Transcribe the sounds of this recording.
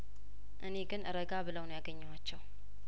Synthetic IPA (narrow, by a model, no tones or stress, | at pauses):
ʔɨne̞ɡɨnʔɨɾəɡaβɨləwnjaɡəɲːɛwat͡ʃːɛw